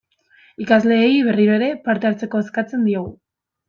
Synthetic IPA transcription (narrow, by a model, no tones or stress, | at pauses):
ikazle̞ːiβe̞riɾo̞eɾe̞paɾt̪eaɾt͡se̞ko̞eskat͡se̞nd̪io̞ɣ̞u